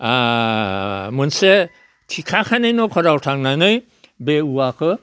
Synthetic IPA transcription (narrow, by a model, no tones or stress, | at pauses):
a | mɯnse | tʰikʰakʰanejnɔkʰɔɾawtʰaŋnajnɯj | beuwakʰɯ